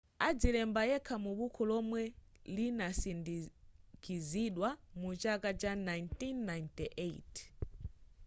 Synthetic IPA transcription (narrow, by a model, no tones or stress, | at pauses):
ad͡zilɛmbajɛkʰamuɓukʰɔlɔmwɛlinasindikʰiziɗwamut͡ʃakat͡ʃanajntinːajntiʔet